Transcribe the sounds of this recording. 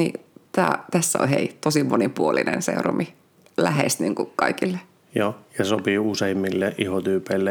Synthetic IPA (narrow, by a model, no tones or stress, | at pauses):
nḭt̪æːt̪æsːæo̰lhḛit̪osimonipuolinḛnsḛuromʔi | læhḛst̪niːŋkukɑikilːe | joːjɑsopiːuseimːilːeʔihot̪yːpeilːe